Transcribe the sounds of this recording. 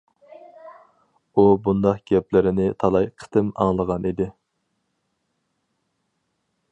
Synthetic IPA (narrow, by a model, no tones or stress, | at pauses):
ubund̪ɑqɡ̥ʲɛplɪɾɪnɪt̪ʰɑlˠɑjqʰə̥t̪ʰɨmɑ̰ŋlˠəʁɑnid̪ɪ